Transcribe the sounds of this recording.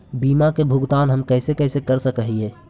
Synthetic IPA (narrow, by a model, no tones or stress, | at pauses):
biːmakebʱʊɡt̪aːnɦəmkəɦsekəɦsekəɾsəkɦie